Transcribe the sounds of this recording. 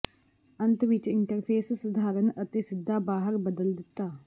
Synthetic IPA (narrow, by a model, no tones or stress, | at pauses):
ənt̪ʋɪt͡ʃɪɳʈəɾpʰeːsːəd̪ʱaːɾənət̪eːsɪd̪ːaːbaːɦəɾbəd̪əld̪ɪt̪ːaː